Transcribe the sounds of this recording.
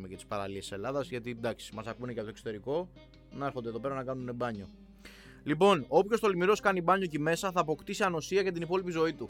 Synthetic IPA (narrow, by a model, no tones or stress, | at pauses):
mecɐt̪i̥spɐɾɐ̰liesiselɐðɐzʝɐt̪id̪ɐksi̥mɐsɐkunecɐpot̪okso̥t̪e̞ɾiko̞ | nɐe̞ɾxond̪eðo̞pe̞ɾɐnɐkɐnune̞bɐɲo̞ | lipo̞nopço̞st̪o̞limiɾo̞skɐnibɐɲo̞cime̞sɐθɐːpo̞kt̪isiɐnosiɐcɐt̪̬inipo̞lipizo̞it̪u